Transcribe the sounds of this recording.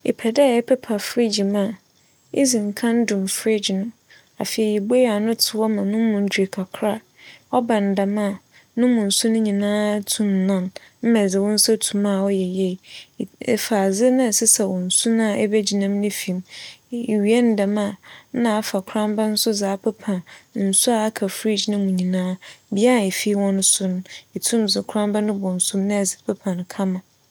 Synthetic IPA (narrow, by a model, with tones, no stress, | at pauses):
ḛ˨pʰɛ˨dɛ˦˨ɛ˦pʰɛ˦pʰa˨fɾɪ˦d͡ʑi˨mã˦˨ | ḭ˦zĩ˨ŋ̩˨kʰã˦n˦dũ˨mfɾɪ˦d͡ʑɪ˨nʊ̃˦ | a˨fi˨ɛ˨ji˨be˦ja˨nʊ̃˦tʰɪ˨˦wɔ˦mã˨nʊ̃˦mʊ̃˨ɲ˨d͡ʑᶣe˨kʰa˨kʰɾa˦ | ɔ˦bã˨n̩˨da˨mã˦˨ | nʊ̃˦mʊ̃˨n̩˨su˦nʊ̃˦ɲĩ˨nãː˦tʰũ˦˨mnã˦nm̩˦mɛ̃˨d͡zɪ˨wʊ̃˦n̩˦sa˦tʰũ˨mã˦˨ɔ˦jɛ˨jɛ˦˨ɛ̰˨fa˨zɪ˦nɪ̃˦˨sɪ˦sɛ˨wɔ̃˨n̩˨su˦nã˦˨ʔɛ˦bɛ˦d͡ʑi˨nã˦mnɪ̃˦fi˨mi˨ɥi˨ɛ˦n̩˦da˨mã˦˨nã˦a˨fa˨kʰɾã˦mba˦n̩˦sʊ˦zaː˨˦pʰɛ˦pʰã˨nn̩˨sʊ˦a˨a˦kʰa˨fɾi˦d͡ʑnɪ̃˦mʊ̃˨ɲĩ˨nãː˦bi˦a˦n˨e˨fi˦wɔ̃˦nʊ̃˦sʊ˦nʊ̃˦i˨tʰũ˦md͡zɪ˨kʰɾã˦mba˦nʊ̃˦bʊ̃˨n̩˨sʊ̃˦mnɪ̃˦ɛ˨zɪ˨pʰɛ˦pʰã˨n˨kʰa˦mã˨